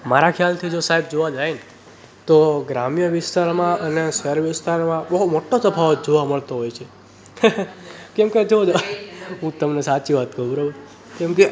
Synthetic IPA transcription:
maɾakʰjalt̪ʰid͡ʒosaɦib̚d͡ʒoʋad͡ʒajne | t̪oɡɾamjəʋɪst̪aɾmãʔəneseɾʋɪst̪aɾmãbəɦumoʈːosəbʰʱaʋod͡ʒoʋaməɭt̪oɦojt͡ʃʰe | kɛmked͡ʒod͡ʒɦũt̪əmnesat͡ʃiʋat̪kəɾũbəɾobə | kɛmke

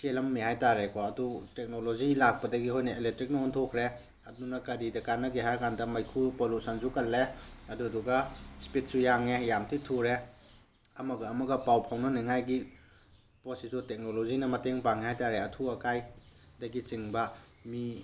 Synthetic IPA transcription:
selɐmːihajtaɾekɔɐdutek̚nolozilak̚pɐdɐɡiɦojnɐelek̚tɾik̚nɐontʰokʰɾe | ɐdunɐkɐɾidɐkanːɐɡiɦaɾkʰandɐmɐjkʰupolutsʰɐnsukɐlːeɐduduɡɐspit̚sujaŋejamtʰitʰuɾe | ɐmɐɡɐːmɐɡɐpawpʰawnɐniŋajɡi | posizutek̚nolozinɐmɐteŋpaŋihajtaɾeɐtʰuɐkaj | dɐɡit͡ʃiŋbɐmi

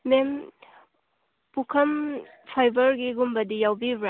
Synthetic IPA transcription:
mem | pukʰɐm | pʰajbɐɾɡiɡumbɐdijawbibɾa

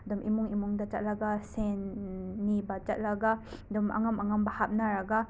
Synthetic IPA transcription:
dɔmʔimuŋimuŋdat͡ʃaʔ̚laɡasɛnːibat͡ʃaʔ̚laɡadɔmʔa̰ŋamaŋambahap̚naɾaɡa

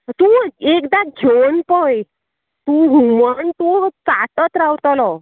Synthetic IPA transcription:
t̪ũekd̪ad͡ʑʱonpəj | t̪uːɦumant̪ut͡saʈ̪ət̪ɾawt̪ɔlɔ

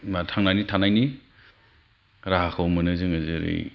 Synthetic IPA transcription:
matʰaŋnajnitʰanajni | ɾaɦakʰawmɐnɯzɯŋɯzɯɾḛj

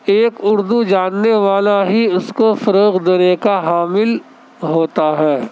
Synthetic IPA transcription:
eːkʊɾd̪ud͡ʒaːnːeʋaːlaɦiʊskofɐɾoːqd̪eːnekaɦaːmɪl | ɦoːt̪aɦɛː

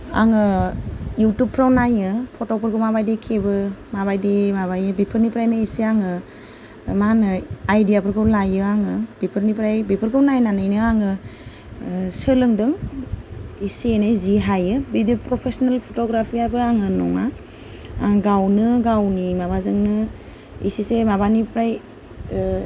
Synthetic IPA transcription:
a̰ŋɯ | jutupʰːɾawnajɯpʰɔtɔpʰɯɾkɯmabajdekʰebɯmabajdemabajɯbipʰɯɾnipɾajnɯisiaŋɯ | manɯajdijapʰɯɾkʰɯwlajɯaŋɯbipʰɯɾnipɾajbipʰɯɾɡɯwnajnanɯjnɯaŋɯ | sɯlɯŋdɯŋ | isenajziɦajɯbidipɾɔpʰesɔnalpʰotoɡɾapʰiajbɯaŋɯnɔ̰ŋa | a̰ŋɡawnɯɡawnimabazɯŋnɯ | ḭsisemabanipɾaj

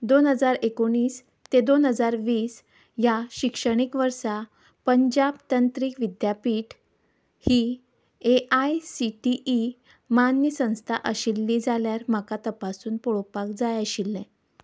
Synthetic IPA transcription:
d̪onɦəd͡zaɾekoɽ̃iːs | t̪ed̪onɦəd͡zaɾʋiːs | jaɕikʂəɽ̃ikʋəɾsa | pəɲd͡ʑabt̪ənt̪ɾiːkʋid̪japiːʈ | hiː | eʔajsiʈiʔi | manːjəsə̃w̃st̪ʰaʔəɕilːiːd͡zaljaɾm̤akat̪əpasuːnpɔɭopakd͡zajəɕilːɛ̃

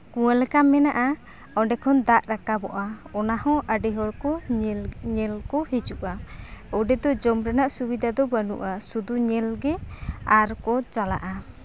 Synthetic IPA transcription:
kuwalɛkamɛnaʔa | ɔɖɛkʰɔnd̪aʔɾakabɔʔaɔnahɔ̃ʔəɖɛɦɔɽkɔ | ɲɛlkɔhid͡ʒuʔaɔɖɛd̪ɔd͡ʒɔmɾɛnaʔsubid̪ʱad̪ɔbənṵʔasud̪uɲɛlɡɛaɾkɔt͡ʃala̰ʔa

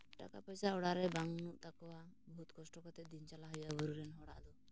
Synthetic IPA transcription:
ʈa̰kapɔjsaɔɽaɾɛbaŋunuʔt̪akɔwa | bɔut̪̚kɔsʈɔkɔt̪ɛd̪int͡ʃalaɦɔjabɔɾuɾɛnɦɔɽa̰ʔd̪ɔ

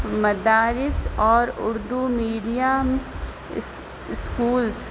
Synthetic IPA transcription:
mɐd̪aːɾɪsɔːɾʊɾd̪umiːɖijam | ɪskuːls

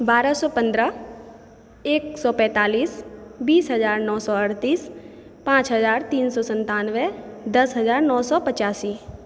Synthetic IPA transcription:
baːɾəsɔːpə̃nd̪ɾə | eːksɔːpɛ̃ːt̪aːliːsbiːsɦəzaːɾnɔːsɔəɾt̪iːs | pãːt͡ʃɦəzaːɾt̪iːnsɔːsə̃nt̪aːnʋed̪ɐsɦəzaːɾnɔːsɔːpət͡ʃaːsiː

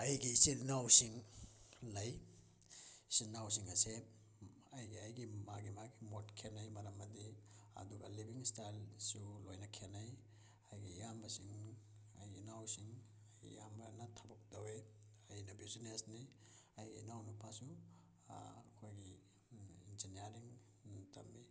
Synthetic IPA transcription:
ɐjɡisilnawsiŋ | lɐj | silnaws̬iŋɐse | ɐjɡiɐjɡimaɡimaɡimotkʰenɐjmɐɾɐmːɐdiɐ̰duɡɐlibiŋstajlsulojnɐkʰenɐj | ajɡijambɐsiŋ | ɐjɡinawsiŋ | ɐjɡḭjambɐnɐtʰɐbɐk̚dɐwe | ɐjnɐbizinesniɐjɡḭnawnupʰasu | kʰojɡi | inzinijaɾiŋ | tʰɐ̰mːi

